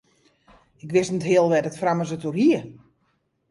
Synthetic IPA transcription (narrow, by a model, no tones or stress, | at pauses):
ɪkʋɪsnətɦɪəlˠʋɛdɔtframəsəturhiə